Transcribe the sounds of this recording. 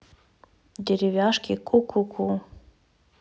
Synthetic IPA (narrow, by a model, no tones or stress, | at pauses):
d̪ʲeɾʲivʲaʃkʲikʰukʰukʰu